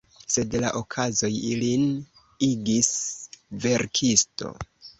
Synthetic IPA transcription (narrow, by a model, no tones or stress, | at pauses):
se̞dla̰ʔokʰazo̞jilin | iɡisve̞ɾkʰisto̞̰